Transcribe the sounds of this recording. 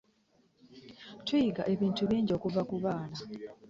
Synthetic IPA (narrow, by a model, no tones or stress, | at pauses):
tʰwujiɡaʔe̞βiːntuβiːɲɟo̞kuvakuβaːna